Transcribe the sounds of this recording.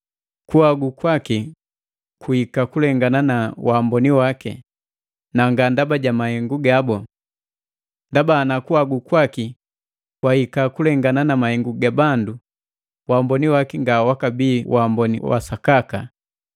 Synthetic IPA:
kuaɡukwaki | kuhikakulɛŋɡananawʔaːmbɔniwakɛ̰ | naŋɡandabaɟamahɛŋɡuɡabɔ | ndabanakuaɡukwaki | wahikakulɛŋɡananamahɛŋɡuɡabandu | waːmbɔniwakiŋɡawakabiːwʔambɔnḭwa̰sakaka

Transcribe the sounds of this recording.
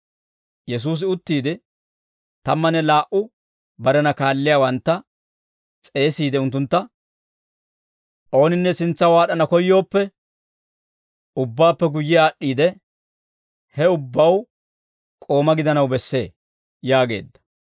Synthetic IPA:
jɛs̬uːs̬ɪʊt̪ːiːd̪ɪ | t̪ɐmːɐnɛlaːʔʊ | bɐɾɛnɐkaːlːɪjaːwɐnt̪ːɐ | t͡sʼe̞ːsiːd̪ɛʊnt̪ːʊnt̪ːɐ | ʔo̞ːnɪnːɛsɪnt͡sːɐwaːɗɐnɐkɔjːo̞ːpːɛ | ʊbːaːpːɛɡʊjːɪaːʔːiːd̪ɛ | hɛʊbːɐw | kʼo̞ːmɐɡɪd̪ɐnɐwbɛsːe̞̰ː | jaːɡe̞̰ːd̪ːɐ̥

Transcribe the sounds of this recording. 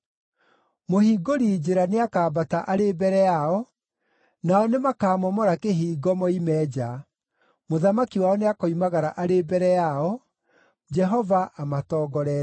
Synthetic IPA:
mohiːɡoɾid͡ʑeɾaneakaːbataʔaɾebɛɾɛjaɔ | naɔnemakaːmɔmɔɾakeɦiːɡɔmɔimɛːd͡ʑa | moðamakiwaɔneakoimaɣaɾaʔaɾebɛɾɛjaɔ | d͡ʒɛɦɔvaʔamatɔːɡɔɾɛ

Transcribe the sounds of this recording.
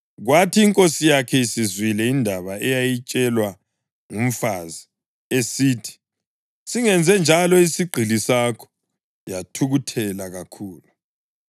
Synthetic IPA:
ɣwatʰiːŋkʼosijakʰɛisizwilɛindʱaβaɛjajit͡ʃʼɛlwa | ŋum̩fazi | esiːtʰi̥ | siŋɛnd͡zʱɛnd͡ʒʱalɔisiɡ͡ǃʱilisakʰɔ̥ | jatʰuɣutʰɛlaɣakʰuːlu

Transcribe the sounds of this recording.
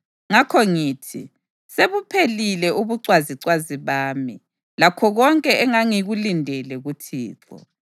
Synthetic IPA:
ŋakʰɔŋiːtʰḭ | seβupʰelilɛʔuβuǀwaziǀwaziβaːmi | lakʰɔɣɔŋkʼɛʔɛŋaŋiɣulindʱɛlɛɣutʰḭːtʰɔ̰

